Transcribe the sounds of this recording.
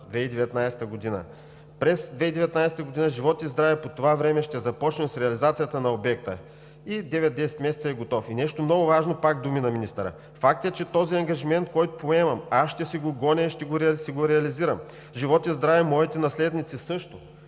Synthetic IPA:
d̪vɛid̪ɛvɛt̪najsɛ̥t̪əɡod̪inə̰ | pɾɛsd̪vɛid̪ɛvɛt̪najsɛ̥t̪əɡod̪inəʒivɔt̪jɐzd̪ɾavɛpot̪ovavɾɛmɛʃt̪ɛzɐpɔt͡ʃnɛmsɾɛɐlizat̪sijət̪ənɐobɛk̚t̪ə | id̪ɛvɛt̪̚d̪ɛsɛ̥t̪mɛsɛt̪sɐɛɡot̪ɔfinɛʃt̪omnɔɡʊvaʒnopaɡd̪uminɐminist̪ɐɾə̰ | fak̚t̪ɛt͡ʃɛt̪ɔziɐŋɡɐʒimɛnt̪̚kɔjt̪opoɛmɐmasʃt̪ɛsiɡoɡɔnɛiʃt̪ɛɡoɾɛsɛɡoɾɛɐliziɾɐm | ʒivɔt̪jɐzd̪ɾavɛmːɔit̪ɛnɐslɛd̪nit̪sisɤʃt̪o

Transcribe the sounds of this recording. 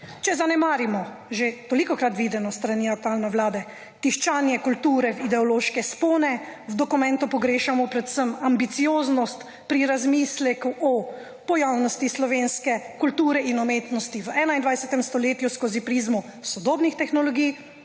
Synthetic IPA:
t͡ʃɛzanɛmaːɾimɔ | ʒet̪olikɔkɾat̪ʋiːd̪ɛnɔst̪ɾaniːak̚t̪uaːlnɛwlaːd̪ɛ | t̪iʃt͡ʃaːnjɛkult̪uːɾɛwid̪ɛɔloːʃkɛspoːnɛwd̪ɔkumɛ̃nt̪upɔɡɾeːʃamɔpɾɛt̪səmambit̪sijoːznɔst̪ | pɾiɾazmislɛkuʔɔ | pɔjawnɔst̪islɔʋeːnskɛkult̪uːɾɛʔinɔmeːt̪nɔst̪iʋɛːnaind̪ʋajsɛt̪ɛmst̪ɔleːt̪juskoːzipɾiːzmusɔd̪oːbnixt̪ɛxnɔlɔɡij

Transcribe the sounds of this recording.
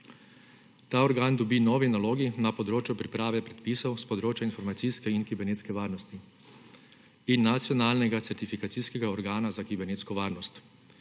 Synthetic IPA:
t̪aːɔɾɡaːnd̪ɔbinɔːʋinaloːɡinapɔd̪ɾoːt͡ʃjupɾipɾaːʋɛpɾɛt̪pisɔwspɔd̪ɾoːt͡ʃjainfɔɾmat̪siskɛinkibɛɾneːt̪skɛʋaːɾnɔst̪i | inːat̪sjɔnaːlnɛɡat̪sɛɾt̪ifikat̪siskɛɡaɔɾɡaːnazakibɛɾneːt̪skɔʋaːɾnɔst̪

